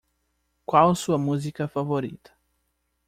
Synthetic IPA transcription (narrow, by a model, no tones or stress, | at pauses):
kwawsuɐmuzikɐfavoɾḭt̪ɐ̥